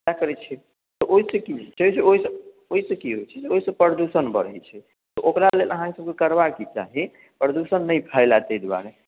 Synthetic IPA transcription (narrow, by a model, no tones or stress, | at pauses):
ktakəɾɛt͡ʃʰɛ | t̪ɔʔoisə̃kid͡ʒt͡ʃʰɛd͡ʒeoɦisə | oɦisə̃kiɦojt͡ʃʰɛd͡ʒeoɦisə̃pəɾəd̪usənbə̰ɾɛt͡ʃʰɛ | t̪ɔʔokɾaleləɦãkesəb̚kekəɾbakit͡ʃa̰ɦi | pɾəd̪usənːəjpʰəɪlat̪ɛjd̪wa̰ɾe